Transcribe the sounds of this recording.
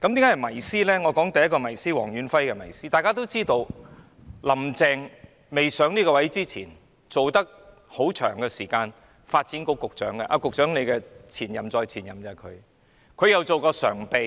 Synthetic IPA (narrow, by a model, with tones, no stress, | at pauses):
kɐ˨˥mt̪i˨˥ŋa˥ɐ˨jmɐ˨˩jsiː˥lɛː˥ŋɔː˨˧kɔː˨˥ŋt̪ɐ˨jɐ˥tkɔː˧mɐ˨˩jsiː˥wɔ̰ː˨˩ŋjyː˨˥nfɐ˥jkɛ˧mɐ˨˩jsiː˥t̪aː˨jkaː˥t̪o˥wt͡siː˥t̪o˧w | lɐ˨˩mt͡sɛː˧ŋ | me˨jsœː˨˥ŋnliː˥kɔː˧wɐ˨˥jt͡siː˥t͡sʰḭː˨˩n | t͡so˨wt̪ɐ˥k̚ | ho˨˥wt͡ʃʰœː˨˩ŋɡɛː˧siː˨˩kaː˧n | faː˧t̚t͡siː˨˥nko˨˧kʊ˨k̚t͡ʃœ̰ː˨˥ŋkɛ˧ʔa˧kʊ˨k̚t͡ʃœː˨˥ŋle˨˧jkɛ˧t͡sʰiː˨˩njɐ˨mt͡sɔː˧jt͡sʰiː˨˩njɐ˨mt͡sɐ˨˧kʰɵ̰˨˧ɥ | kʰɵ˨˧ɥjɐ˨wt͡so˨wkɔː˧sœ̰ː˨˩ŋpe˧j